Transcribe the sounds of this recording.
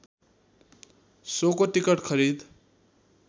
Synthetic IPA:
sokoʈikʌʈkʰʌɾid̪

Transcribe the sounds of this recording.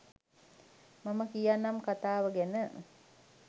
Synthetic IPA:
maməkijanːamkat̪aːʋəɡenə

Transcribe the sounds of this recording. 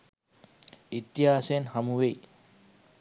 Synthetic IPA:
it̪ːiɦaːsenhɐmuʋej

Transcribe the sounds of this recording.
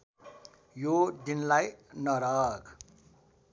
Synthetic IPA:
jod̪inlajnʌɾʌkʰ

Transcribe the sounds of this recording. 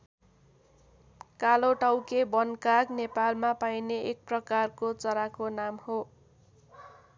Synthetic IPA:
kaloʈʌwkebʌnkaɡnepalmapajneʔek̚prʌkarkot͡sʌɾakonamho

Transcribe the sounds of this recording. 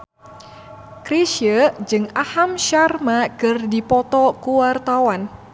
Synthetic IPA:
kɾiʃjəd͡ʒɨŋahamʃarmakɨrdipɔt̪ɔkuwart̪awan

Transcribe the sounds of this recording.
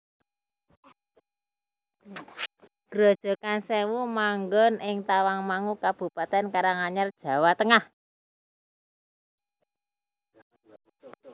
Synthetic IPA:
ɡ̥ɾod̥ʒ̥ɔ̤kansewumaŋɡɔnɪŋt̪awaŋmaŋukab̥ṳpat̪ɛnkaɾaŋaɲard̥ʒ̥ä̤wat̪əŋah

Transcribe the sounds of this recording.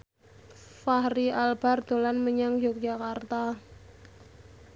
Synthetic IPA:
fahɾiʔalb̥a̤rd̪̥o̤lanməɲaŋd͡ʒok̚d͡ʒ̥akart̪a

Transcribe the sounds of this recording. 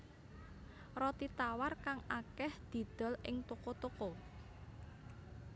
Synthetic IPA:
rɔt̪it̪awarkaŋakɛhd̪̥i̤d̪̥ɔ̤lɪ̰ŋt̪okot̪oko

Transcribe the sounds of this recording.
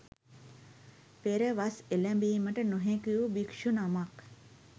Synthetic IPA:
peɾeʋaselɛ̃mbiiməʈənoɦẽkujubikʃunamak

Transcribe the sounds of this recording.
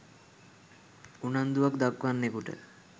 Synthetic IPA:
unand̪uʋakd̪akʋanːekuʈə̰

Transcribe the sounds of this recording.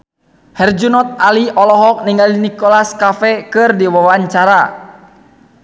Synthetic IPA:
hɛrd͡ʒunɔt̪̚aliʔɔlɔɦɔk̚niŋalinikɔlaskafɛkɨrdiwawaɲt͡ʃaɾa

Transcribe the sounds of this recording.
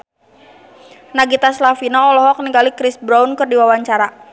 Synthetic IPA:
naɡit̪aslafinɔɔlɔɦɔk̚niŋɡalikɾɪsbɾaunkɨrdiwawaɲt͡ʃaɾa

